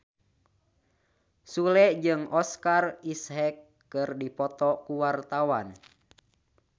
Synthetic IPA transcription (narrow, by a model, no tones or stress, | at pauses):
sulɛd͡ʒɨŋɔskarishɛkː | ɨrdipɔt̪ɔkuwart̪awan